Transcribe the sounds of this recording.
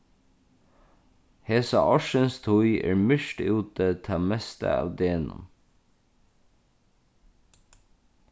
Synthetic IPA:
heːsɑ̰ʔɔʃənst̪ʰʊʏʔḛːɹmʏʃʈʉːt̪ət̪ʰɑːmɛst̪ə̰ɑ̰ːʋd̪eːnʊ̰m

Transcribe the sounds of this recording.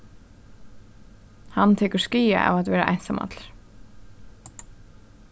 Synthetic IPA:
hant̪ʰɛːkə̥skiːa̰ʔa̰vat̪vɛːɾaʔa̰jnsama̰t̪lɾ

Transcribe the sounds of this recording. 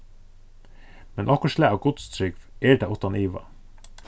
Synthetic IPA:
mɛnʔɔkɔʃlæːɑɡʊt̪st̪ʰɾʏɡʋeːɖ̪æːʊt̪ɑniːʋɑ̰

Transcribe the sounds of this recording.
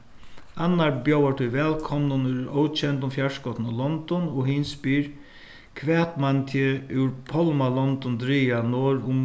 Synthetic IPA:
anːaɹbjowaʈ̪ʰʊʋɛːlkʰɔmnʊnʉoːwt͡ʃʰɛnt̪ʊmfjaʂkɔt̪nɔlɔnd̪ɔnɔɦɪnspiːɹ | kʰʋɛːt̪mant̪ʰjɪʉwɾpʰɔlmalɔnt̪ɔnd̪ɾiːanoːɾʊm

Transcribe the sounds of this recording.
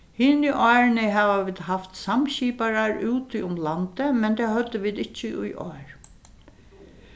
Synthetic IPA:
hɪniʔɔɹnɪɦaʋaʋiːd̪ɦaft̪samɕiːpaɾaɹuːt̪ʰɪʊmlant̪əmɛnt̪ʰahœd̪ːəʋiːd̪ɪt͡ʃːɪʔʊ̰jʔɔːɹ

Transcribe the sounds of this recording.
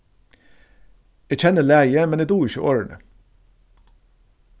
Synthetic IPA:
æc͡çʰɛnəlæːjəmɛneːd̪uːɪçəʔoːɹəɳə̰

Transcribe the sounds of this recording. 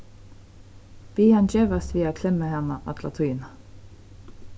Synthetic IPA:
b̥iːhɑnd͡ʒeːʋɑst̪ʋiːɑkʰlɛməhɛnəʔɑ̰t̪ʰlɑ̰t̪ʰʊiːnɑ

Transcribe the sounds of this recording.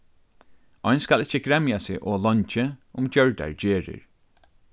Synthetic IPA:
ɔjnskalɪht͡ʃːəɡɾɛmjasɪʔɔːlɔɲt͡ʃɪʊmd͡ʒœɹd̪a̰ɹd͡ʒeːɹɪ̰ɹ

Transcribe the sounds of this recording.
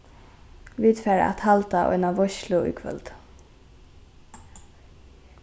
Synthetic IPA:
viːt̪fɛːɾa̰t̪halt̪aʔɔ̰jnaʋɔʃlʊṵkʰvœ̰lt̪

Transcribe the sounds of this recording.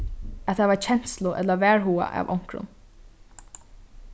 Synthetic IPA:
at̪ʰaʋaɹt͡ɕʰɛn̥slʊʔɛt̪lavæːɹɦuːa̰ʔa̰ʋʔɔwŋ̥kɾʊ̰n

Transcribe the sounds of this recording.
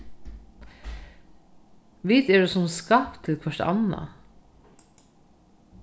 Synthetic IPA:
ʋiːt̪ɛdʉːsʊmskɑːpt̪ʰːɪlkʰʋœʂtɑ̰na̰

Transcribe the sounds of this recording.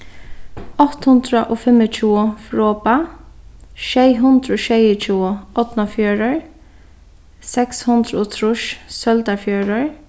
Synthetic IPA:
ɔht̪hʊnd̪ɾaʔoːfɪmət͡ʃʰuːfɾɔːpa | ʃɛjɦʊnd̪ɾəoːʃɛjʊt͡ʃʰuːʊɔt̪nafjœːɾəɹ | sɛkshʊnd̪ɾɔt̪ʰɾʊʃsœlt̪afjœːɾəɹ

